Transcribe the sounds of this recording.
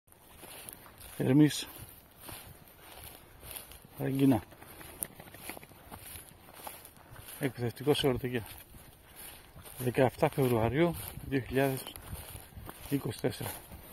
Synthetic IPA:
eɾmis | ɾɐɲɟinɐ | ek̚pðest̪iko̞sioɾt̪oʝe | ðekɐeft̪ɐfe̞vɾuɐɾiuðioçiʎɐðes | iko̞si̥t̪e̞seɾɐ

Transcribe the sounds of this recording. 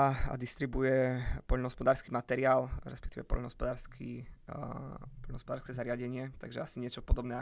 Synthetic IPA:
a̰d̪ist̪ɾibujɛpɔʎnɔɦɔspɔd̪aːɾskimat̪ɛɾiaːlɾɛ̰spɛkt̪iːʋɛpɔ̰ʎnɔɦɔspɔd̪aːɾskʰi | pɔʎnɔɦɔspɔd̪aːɾskɛzaɾɪaɟɛɲɪɛt̪a̰ɡʒɛasiɲɪɛt͡ʃɔpɔd̪ɔbnɛ

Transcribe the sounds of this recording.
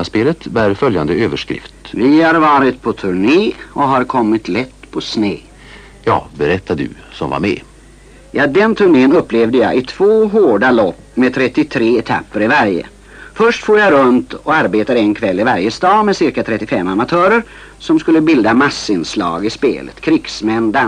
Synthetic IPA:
speːlət̪bæːɾfœljand̪əøːvəʂkɾɪ̰ft̪vɪhaɾvɑːɾɪt̪̚pʰɔt̪ʰɵɳeːɔɦaɾkʰɔmːɪt̪lɛt̪ːpʰɔsneː | jɑ̰ːbɛɾɛt̪ːad̪ɵ̰ | sɔmva̰ɾmɛ̰ː | jɑːd̪ɛnt̪ʰɵɳeːənɵpːlevd̪əjɑ̰ːʔɪt̪ʰv̥oːɦoːɖalɔpːmɛt̪ʰɾɛt̪ːɪt̪ʰɾeːɛt̪ʰa̰pːəɾɪvæɾjə̰ | fœʂʈfoːɾjaɾɵnt̪ɔaɾbeːt̪aɾəɛnkʰvɛlːɪvaɾjəst̪ɑːmɛsɪɾkat̪ʰɾɛt̪ːɪfɛmːamat̪ʰœːɾəɾ | sɔmskɵlːəbɪld̪amasːɪnslɑ̰ːɡɪspḛːlə̰t̪kʰɾɪksmɛnd̪an

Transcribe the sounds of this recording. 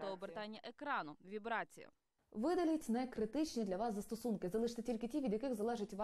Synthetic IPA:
ɔɔbert̪ɑnʲːɐʔekɾɑnʊʋʲibɾɑt͡sʲḭjɐ̰ | ʋɪd̪ɐlʲutʲnɛkɾɪt̪ɪt͡ʃnʲid̪lʲɐʋɑszɐst̪ɔsunkɪzɐlˠɪʃt̪ɛtʲilʲkɪtʲiʋʲid̪ʲjɐkɪxzɐlˠɛʒɪtʲʋɑ

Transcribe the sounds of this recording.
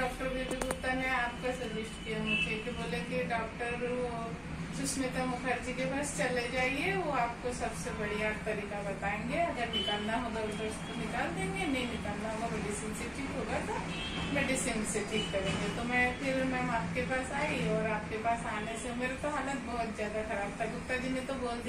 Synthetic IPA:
ɖɔːkʈəɾʋed̪ɪbuːt̪amɛ̃aːp̚kasɐɾʋɪʃʈkijamʊd͡ʒʱekiboːlekiɖɔːk̚ʈəɾ | t͡ʃʊsmɪt̪amʊkʰəɾd͡ʒikebɐɾst͡ʃɐled͡ʒaːieʋoaːp̚kosɐbsebɐɽiaʈt̪ɐɾiːkabɐt̪aːẽːŋ̆ɡeɐɡəɾnɪkaːlnaɦoːɡaʊɐʊskonɪkaːld̪ẽːŋɡenɐɦĩnɪkaːlnaɦoːɡamɛːɖɪsinseʈʰikɦoːɡat̪o | mɛːɖɪsinseʈʰiːkkɐɾẽːŋɡet̪omɛ̃ːpʰɪɾmɛ̃ːmaːp̚kepaːsaːiɔːɾaːp̚kepaːsaːnesemeːɾat̪oɦaːlət̪̚bɔɦʊt̪zjaːd̪axɐɾaːb̚t̪ʰabʊk̚t̪ad͡ʒɪmẽt̪oboːld̪

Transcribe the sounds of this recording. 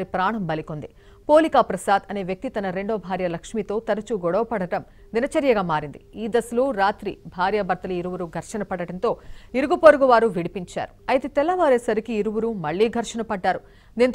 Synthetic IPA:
ɾipɾaːɳɐmbɐlikond̪i | poːlikaːpɾɐsaːd̪ɐne̞ːʋjɐk̚t̪it̪ɐnɐɾe̞ɳɖoːbʱaːɾjɐlɐkʂmit̪o̞ːt̪ɐɾɐt͡ʃuɡɔɽɐʋɐpɐɽɐʈɐm | ninɐt͡ʃɐɾjɐɡaːmaːɾind̪iiːd̪ɐsuluːɾaːt̪ɾibʱaːɾjɐbɐɾt̪ɐlɐiɾuʋuɾuɡʱɐɾʂɐnɐpɐɽɐɽɐnt̪o̞ːiɾuɡupoɾuɡuʋaːɾuʋiɽipiɲt͡ʃa̰ːɾuɐjɐt̪et̪ɛlːɐʋaːɾeːsɐɾikiːɾuʋuɾumɐɭːiːɡʱɐɾʂɐnɐpɐɖːaːɾu | d̪iːnt̪

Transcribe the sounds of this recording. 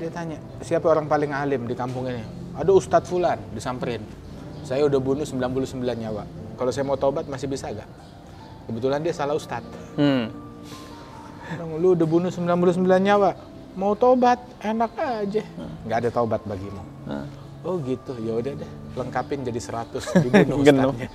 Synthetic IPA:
diat̪aɲa | siapaoɾaŋpalɪŋalɪmdikampuŋini | adaust̪at̪̚fulandisampəɾɪn | sajaudahbunʊsəmbilanpulʊsəmbilanɲawaʔkalasajamaut̪obat̪̚masɪhbisaɡa̰ʔ | kəbət̪ulandiasalahust̪at̪̚ | dɔŋluːdahbunʊsəmbilanpulʊs̬əmbilanɲawaʔ | maut̪obat̪̚enak̚ad͡ʒɛŋɡaːdat̪abat̪̚baɡimu | ɔhɡit̪ʊjaudahda | ləŋkapɪnd͡ʒadisəɾat̪ʊsdibunʊənaɲa

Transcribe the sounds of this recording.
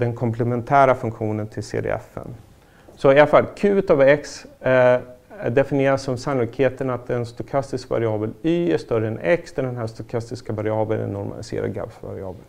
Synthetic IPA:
d̪ɛnkʰɔmpʰlɛmɛnt̪ʰæːɾafɵŋkɧuːnənt̪ʰɪlsḛːd̪ḛɛ̰fɛ̰n | sɔɪafalːkʰʉ̟ːət̪avɛks | d̪ɛfɪnɪeːɾasːɔmsanʊlɪkheːt̪ənat̪̚d̪ɛnst̪ʊkʰast̪ɪskva̰ɾɪɑːbəlyːəʂt̪œɾənɛksd̪ɛɖɛnɦæːʂt̪ʊkʰast̪ɪskavaɾɪɑːbənɛ̰nːɔɾma̰lɪsḛːɾa̰ɡa̰bsva̰ɾɪɑ̰ːbəl

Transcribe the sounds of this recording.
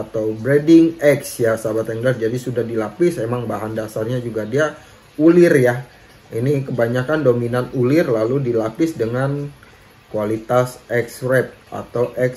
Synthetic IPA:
at̪awbɾedɪŋɛksjasabat̪aŋdard͡ʒadisudahdilapɪsemaŋbaɦandasarɲad͡ʒuɡadia | ulɪrja | inikəbaɲakandominanulɪrlaludilapɪsdəŋan | kualit̪asɛksɾɛp̪̚a̰t̪awʔɛks

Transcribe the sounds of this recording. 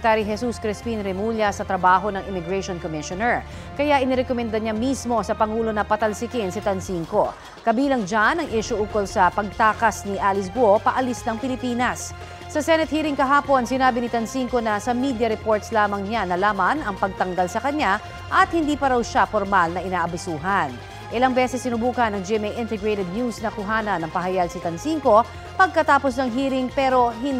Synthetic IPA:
t̪aːɾiɦɛsuskɾɪspinɾɛmuljɐsɐt̪ɾɐbaːɦo̞nɐŋʔɪmɪɡɹɛʃonkomɪʃonɛɹ | kɐjaʔɪnɪɾɛkomɛnd̪ɐɲamismo̞sɐpɐŋuːlo̞nɐpɐt̪ɐlsɪkɪnsɪt̪ɐnsiŋko̞ | kɐbiːlɐŋd͡ʒanɐŋʔɛʃoʔukolsɐpɐɡ̚t̪aːkɐsniʔaːlɪsbʊopɐʔɐlisnɐŋpɪlɪpiːnɐsː | ɐsɛnɛt̪̚hiːɾɪŋkɐɦaːpo̞nsɪnaːbɪnɪt̪ɐnsiŋko̞nɐsɐmid̪jɐɾɛpoɹt̪slaːmɐŋɲanɐlaːmɐnɐŋpɐɡ̚t̪ɐŋɡalsɐkɐɲa | ʔɐt̪̚hɪnd̪iːpɐɾɐwʃafoɾmalnɐʔɪnaːʔɐbɪsuːɦɐn | ʔɪlɐŋbɛsɛsːɪnʊbuːkɐnːɐŋd͡ʒɛmɛjʔɪnt̪ɛɡɹejt̪ɛd̪̚njusnɐkʊɦaːnɐnːɐŋpɐɦɐjaɡsɐt̪ɐnsiŋko̞ | pɐɡ̚kɐt̪aːpo̞snɐŋɦiːɾɪŋpɛːɾo̞ɦɪ

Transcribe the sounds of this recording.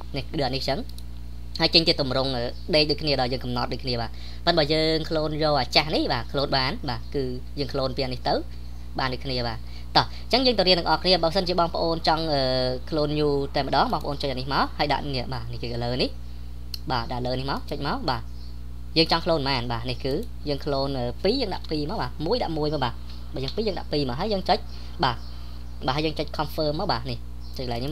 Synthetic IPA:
nɛɗɨənit͡ɕəŋ | haəjt͡ɕəɲt̪iət̪umrʊŋʔəː | ɗeːc̚ɗoːkʰniəɗɑɔːjəːŋkɑmnɑt̪̚ɗoːkʰniəɓaː | pən̚ɓaːjəːŋkʰloːnjoːʔaːt͡ɕahnihɓaːkʰloːnɓaːnɓaːkɨː | jəːŋkʰloːnpianiht̪ɨw | ɓaːnɗoːkʰniəɓaː | t̪ɑh | t͡ɕəŋjəːŋt̪ɑwɾiənɨŋʔɑhkʰniəɓəːsənt͡ɕiəɓɑːŋpə̆ʔoːnt͡ɕɑŋʔəːkʰloːnjuːt̪aɛmːə̆ɗɑːŋɓɑːŋpəʔoːnt͡ɕəcʔaːnihmaɔhaːəjɗa̰ʔniəʔɓaːnihkɨːʔəːləːnih | ɓaːɗaʔləːnihmaɔt͡ɕəc̚maɔɓaː | jəːŋt͡ɕɑŋkʰloːnmaːnɓaːnihkɨː | jəːŋkʰloːnʔəːpiːjəːŋɗa̰ʔpiːmaːwɓaːmuəjɗa̰ʔmuəjmaːɓaː | ɓaːjəːŋpiːjəːŋɗa̰ʔpiːmaːɦaːəjəːŋt͡ɕəc̚ | ɓaː | ɓaːɦaːjəːŋt͡ɕəc̚kʰɑmfəːmːaːwɓaːnih | t͡ɕəc̚ʰlaɛjk̚ni

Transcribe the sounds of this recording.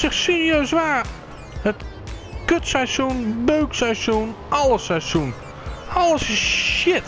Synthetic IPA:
sɪxsiriøːsʋaː | hət | køtsasjunbøːksajsjunʔɔlˠəsajsjun | ɔləsɪsʃɪt

